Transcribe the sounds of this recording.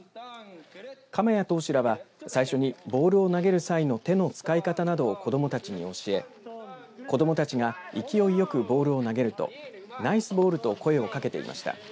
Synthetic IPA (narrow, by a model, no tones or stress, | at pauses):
kamajat̪o̞ːɕiɾaβasaiɕo̞ɲ̟ibo̞ːɾɯ̟o̞naɡe̞ɾɯ̟saino̞t̪e̞no̞t͡sɨ̥kaikat̪anad̪o̞ːko̞d̪omo̞t̪at͡ɕiɲ̟ḭo̞ɕie̞ | ko̞d̪o̞mo̞t̪at͡ɕiɡaikʲio̞ijo̞kɯ̟bo̞ːɾɯ̟o̞naɡe̞ɾɯ̟t̪o̞̰ | naisɨbo̞ːɾɯ̟t̪o̞ko̞e̞o̞kake̞t̪e̞̰ḭmʔa̰ɕi̥t̪a̰